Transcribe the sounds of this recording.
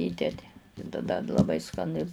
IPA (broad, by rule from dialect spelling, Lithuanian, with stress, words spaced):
ˈiːdʲɛdʲɪ ɪ tɐˈdɐ t lˠɐˈbɐɪ skɐˈnʲɪ